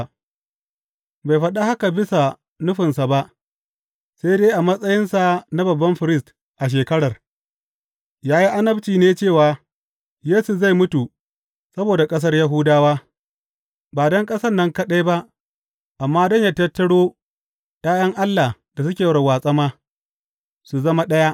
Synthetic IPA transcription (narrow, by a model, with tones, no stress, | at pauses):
ba˨jɸɐ˦ɗa˦ha˦ka˨bɪ˦sa˨ | nʊ˦ɸɪ˨nsa˨ba˦ʔ | sa˦jdeː˦ʔa˨mɐ˦sʼɐ˦jɪ˦nsa˨na˦bɐ˨bːɐ˦mɸɪ˨ɾɪ˦st | ʔa˨ʃ̬eː˨kɐ˦ɽɐ˨r | jaː˦ji˦ʔa˦nɐ˦bt͡ʃiː˨neː˦t͡ʃeː˦˨waː˨ | jeː˦su˨za˦˨jmʊ˦tu˨ | sɐ˦boː˨da˨kʼɐ˦s̬ɐ˦rja˦ɦʊ˦daː˦waː˦ | baː˨dɔ˦ŋkʼɐ˦sɐ˦nːɐ˦ŋkɐ˦ɗa˦jba˦ʔ | ʔa˨mːaː˦dɔ˦˨ɲja˦tɐ˦tːɐ˦ɽoː˦ | taː˦jɐ˦ŋʔa˦lːa˨ | d̥a˨s̬ʊ˦kʲeː˨wɽɐ˨waː˨sʼɐ˦maː˦ | su˨zɐ˦ma˦ɗɐ˦ja˦ʔ